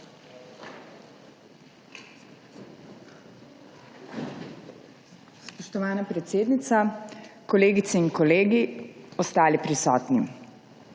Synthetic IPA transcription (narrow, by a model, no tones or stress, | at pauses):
spɔʃt̪ɔʋaːnapɾɛt̪seːd̪nit̪sakɔleːɡit̪sɛinkɔleːɡiɔst̪aːlipɾisɔːt̪ni